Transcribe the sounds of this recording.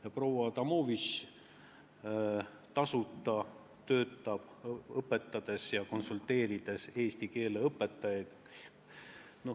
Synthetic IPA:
jɑpro̞wɑt̪ɑmo̞ːvis | t̪ɑsut̪ːˑɑ | t̪ø̞ːt̪ːˑɑb̥ɤpːˑe̞t̪ˑːɑd̪̥e̞sjɑko̞nsult̪e̞ːɾid̪̥e̞se̞ːst̪ike̞ːleɤpːe̞t̪ːˑɑjɑjd̪̥ | no

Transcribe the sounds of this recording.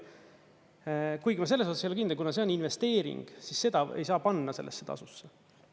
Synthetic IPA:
kujɡimɑse̞lːesosɑsejolkind̪elkunɑseo̞ninve̞st̪e̞ːɾḭŋɡ̥sisːe̞d̪̥ɑḛjsɑːpɑnːɑse̞̰lːḛsːet̪ɑ̰susːe

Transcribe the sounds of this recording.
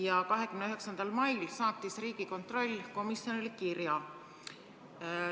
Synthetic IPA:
jɑkɑɦe̞kymneyɦe̞ksɑnd̪̥ɑlmɑjlsɑːt̪ːˑisriːɡ̥iko̞nt̪ro̞lʲːko̞misjo̞nilkirjɑ

